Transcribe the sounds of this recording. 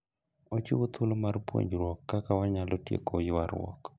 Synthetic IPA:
ot͡ʃiwot̪ʰʊlomarpwo̰ɲd͡ʒɾwɔkːakawaɲalotjḛkojwaɾwɔ̰k

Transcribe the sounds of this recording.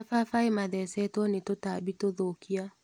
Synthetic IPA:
fafaemaðɛsɛtwɔnetotabitoðokia

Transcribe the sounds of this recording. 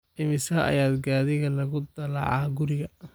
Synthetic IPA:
ʔɪmɪsɐʔɐ̰jaːd̪ɡaːðɪɣɐlɐɣʊd̪ɐlɑ̰ʕɑːɡʊɾɪɣɐ

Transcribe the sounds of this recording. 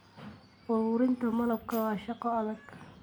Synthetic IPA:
ʔʊɾʊːɾɪnt̪ʰɐmɐlɐb̚kʰɐwɑːʃɑqɔɐðɐɡ̥

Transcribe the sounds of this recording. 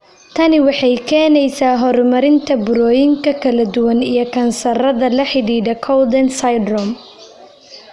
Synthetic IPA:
t̪ʰɐnɪwɑħɑjkʰɛːnɛjsaːɦɔrmɐɾɪnt̪ʰɐbʊɾɔːjɪŋkʰɐkʰɐlɐd̪ʊwɐnijɞkʰɐnsɐɾɐðɐlɐħɪɽiːd̪ɐkʰɔwd̪ɛnsɐjd̪ɾɔm

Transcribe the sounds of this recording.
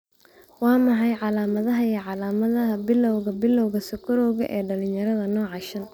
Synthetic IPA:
wɑːmɐħɑjʕɑlaːmɐðɐɦɐjɛʕɑlaːmɐðɐɦɐbɪlɔwɣɐbɪlɔwɣɐsʊkʰʊɾɔwɣɐʔɛːɖɐlɪɲjɐɾɐðɐnɔːʕɑʃɐn

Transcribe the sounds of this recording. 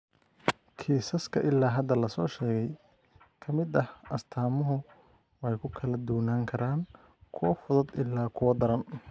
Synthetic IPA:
kʰiːsɐskʰɐʔɪlːaːɦɐd̪ɐlɐsɔːʃɛːɣɛj | kʰɐmɪd̪ɐhɐst̪ʰaːmʊɦʊ | wɛjkʰʊkʰɐlɐd̪ʊwnaːŋkʰɐɾaːn | kʰʊwɐfʊðʊd̪ɪlːaːkʰʊwɐd̪ɐɾɐn

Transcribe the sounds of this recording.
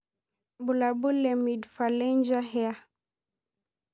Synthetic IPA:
bulabulɛmidfalɛɲd͡ʒaɦɛa

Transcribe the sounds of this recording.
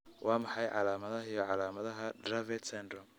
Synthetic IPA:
wʔɑːmɐħɑjʕɑ̰laːmɐðɐɦɪjɔʕɑlaːmɐðɐɦɐdɾɐvɛt̪sɛnd̪ɾɔm

